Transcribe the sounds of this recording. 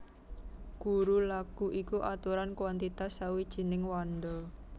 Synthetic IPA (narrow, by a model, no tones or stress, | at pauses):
ɡ̥uɾulaɡ̥uʔikuʔat̪uɾankwant̪it̪asːawid̥ʒ̥i̤nɪŋwɔnd̪ɔ